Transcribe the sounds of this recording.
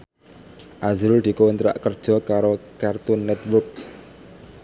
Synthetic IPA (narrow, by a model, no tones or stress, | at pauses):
ʔazɾʊld̪̥i̤kont̪ɾa̰ʔkərd̥ʒ̥ɔ̤kaɾokart̪ʊnːɛt̪wʊrk̚